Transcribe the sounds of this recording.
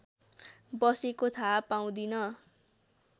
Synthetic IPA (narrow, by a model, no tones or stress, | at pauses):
bʌsekot̪ʰapaw̃d̪inʌ